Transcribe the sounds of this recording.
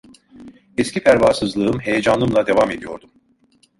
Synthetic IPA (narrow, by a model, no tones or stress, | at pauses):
ɛscʲipʰæɾvaːsɯzlˠɯɯmhe̞jed͡ʒanlˠɯmlˠad̪e̞vame̞d̪ijo̞̰ɾd̪um